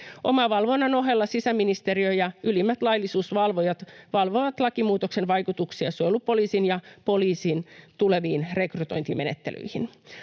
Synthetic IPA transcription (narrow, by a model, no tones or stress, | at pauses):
ʔomɑʋɑlʋonːɑno̞ɦelːɑsisæminist̪eɾiøjɑylimːæt̪lɑilːˑisuːsʋɑlʋojɑt̪ʋɑlʋoʋɑt̪lɑkimuːt̪oksenʋɑjkut̪uksiɑseoolːuppoliːsinjɑpo̞liːsint̪uleʋiːnrekrut̪o̞̰jnt̪imenet̪ːḛly̰ihin